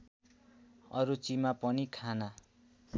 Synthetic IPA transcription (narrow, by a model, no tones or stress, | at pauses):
ʌ̰ɾut͡simapʌnikʰana